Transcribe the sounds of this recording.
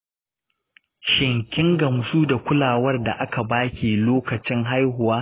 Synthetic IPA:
ʃɪ˨ŋkʲɪ˦ŋɡɐ˨msuː˦da˨kʷʊ˦laː˨wɐ˦rda˨ʔa˦ka˨baː˦kʲiː˨loː˦kɐ˨t͡ʃɪ˦ŋɦa˦jɦʊ˨waː˦

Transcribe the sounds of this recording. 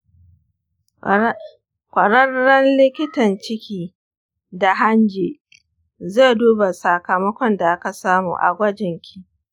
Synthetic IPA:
kʷɐ˨ɽɐ˦rːɐ˦nlɪ˦kʲɪ˦tɐ˨nt͡ʃɪ˦kʲiː˦ | da˨ɦa˦nd͡ʒeː˨ | ze˦˨duː˦ba˨sa˨kɐ˨mɐ˦kʷɔ˦nda˨ʔa˦ka˨saː˦mṵː˨ʔa̰˨ɡʷɐ˦d͡ʒɪ˨ŋkʲʰi˦

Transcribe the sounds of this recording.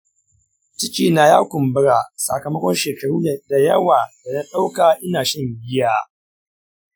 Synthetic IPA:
t͡ʃɪ˦kʲʼiː˨na˦jaː˦kʷʊ˨mbɪ˦ɾaː˨sa̰˨kɐ˨mɐ˦kʷɔ˦nʃeː˨kɐ˨ɾuː˦˨da˨jɐ˦waː˨da˨nɐ˦ɗa˦wkaː˨ʔɪ˦naː˨ʃɐ˦˨ɲɡʲɪ˦jaː˦

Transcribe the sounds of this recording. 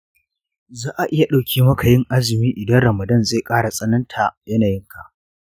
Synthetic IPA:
zaː˦ʔa˨ʔɪ˦ja˨ɗa˨wkʲʰiː˦mɐ˦kʰa˨jɪ˦ŋʔa˦zɪ˨miː˦ʔɪ˨dɐ˦nɾɐ˨mɐ˨dɐ˦˨nze˦˨kʼaː˦ɽa˨sʼɐ˦nɐ˦ntʰa˨jɐ˦naː˨jɪ˦ŋkʰa˨ʔ

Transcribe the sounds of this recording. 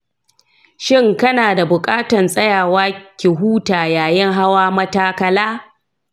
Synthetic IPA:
ʃɪ˦ŋkɐ˦naː˨da˨bʊ˨kʼaː˦tɐ˨nsʼɐ˦jaː˨waː˦kʲɪ˨ɦuː˦taː˨jaː˨jɪ˦ŋɦa˦waː˦mɐ˦taː˦kɐ˦laː˦

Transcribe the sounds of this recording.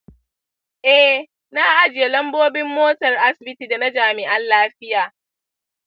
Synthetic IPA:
ʔɛ˦ | na˦ʔa˦d͡ʒɪ˨je˨lɐ˦mboː˦bɪ˦mːoː˦tɐ˨rʔa˦sɪ˨bɪ˦ti˨dɐ˨na˦d͡ʒaː˨mɪ˨ʔa˦nlaː˦ɸɪ˦jaː˨

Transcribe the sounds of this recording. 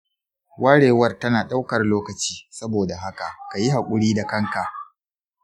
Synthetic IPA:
wʔaː˦ɽeː˨wɐ˦rtɐ˦naː˨ɗa˦wkɐ˨rloː˦kɐ˨t͡ʃiː˦sɐ˦boː˨da˨ɦa˦ka˨ʔka˨ji˦ɦa˨kʷʼʊ˦ɽiː˦da˨kɐ˦ŋka˨ʔ

